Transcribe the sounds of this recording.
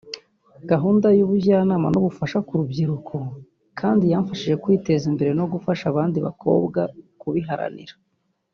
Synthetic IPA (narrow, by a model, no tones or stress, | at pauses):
ɡ̥aɦuːndajuβuɟaːnaːmanoβufaʃakuɾubɟiɾukʰo | kʰaːndijaːɱfaʃiʒe̞kwiːte̞zimbe̞ɾe̞no̞ɡufaʃaβaːndiβa̰kʰo̞̰ːbɡakuβiɦaɾa̰nḭɾa